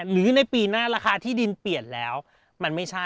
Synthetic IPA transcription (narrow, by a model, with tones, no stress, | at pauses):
nɯː˩˦na˧jpiː˧naː˥˩ɾaː˧xaː˧t̪ʰiː˥˩di˧npi˨˩ən̚lɛː˦˥w | ma˧nma˥˩jt͡ɕʰa˥˩